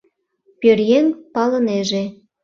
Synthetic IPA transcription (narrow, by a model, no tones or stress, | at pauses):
pʲørjenpɑlə̆neʒĕ